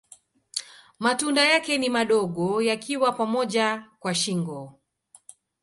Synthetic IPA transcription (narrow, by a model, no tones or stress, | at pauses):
matundajakɛnimaɗɔɠɔjakʰiwapamɔʄakwaʃiŋɡɔ